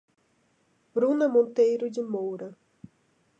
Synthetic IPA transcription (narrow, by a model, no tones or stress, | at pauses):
bɾũnɐmõnt̪ejɾʊd͡ʒɪmowɾɐ